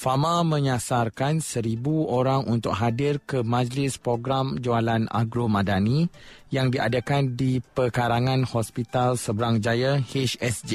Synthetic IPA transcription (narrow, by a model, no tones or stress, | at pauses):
famãmə̃ɲasarkansəɾibuoɾaŋʔunt̪ʊk̚ɦadɪrkəmãd͡ʒlɪspɾoɡɾamd͡ʒoalana̰ɡɾomãdanijaŋdiʔa̰dakandipəkaɾaŋãnhɔspit̪alsəbəɾaŋd͡ʒajaheʃɛsd͡ʒi